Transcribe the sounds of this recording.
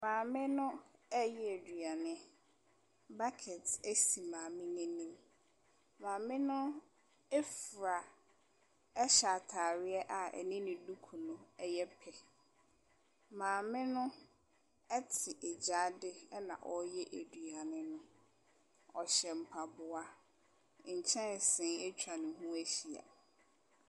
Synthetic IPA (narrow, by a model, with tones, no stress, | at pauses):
mãː˨mɪ̃˦nʊ̃˦ɛ˦jɛ˦e˨dɥa˨nɪ̃˦ | ba˦kʰɛ˨tʰe˦si˨mãː˨mɪ̃˦nɪ̃˦nĩ˦m | mãː˨mɪ̃˦nʊ̃˦ | ɛ˦fɾa˨ | ɛ˦ɕa˨tʰaː˨ɾɪ˦ɛ˦ʔa˨ɛ̰˨nɪ̃˦nɪ̃˨du˦kʰu˨nʊ̃˦ɛ˦jɛ˦pʰɛ˨ | mãː˨mɪ̃˦nʊ̃˦ | ɛ˦tʰɪ˨ʔɛ˨d͡ʑa˨˦dɪ˦ɛ˦nã̰˨ʔɔ˦jɛ˦ʔe˨dɥa˨nɪ̃˦nʊ̃˦ | ɔ˨ɕɛ˨m̩˨pʰa˨bʊ˨a˦ | ɲ̩˨t͡ɕʰɛ̃˦n˨sɪ̃˨˦e˦t͡ɕʰᶣa˨nʊ̃˨ɦũ˦æ˦ɕi˨a̰˨